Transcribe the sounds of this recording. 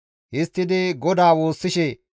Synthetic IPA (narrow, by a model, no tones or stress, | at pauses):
hɪst̪ːɪd̪ɪɡɔd̪aːwo̞ːsːɪʃɛ